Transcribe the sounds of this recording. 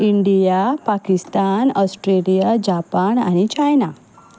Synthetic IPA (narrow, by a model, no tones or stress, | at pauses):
iɳɖijapakist̪anɔsʈɾelijad͡ʑapana̰ɽ̃it͡ɕajna